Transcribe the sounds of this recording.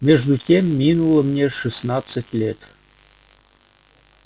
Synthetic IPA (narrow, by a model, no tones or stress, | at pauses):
mʲeʐd̪utʲemːʲinulˠəmnʲeʂɨsnɑt̪t͡sətʲlʲet̪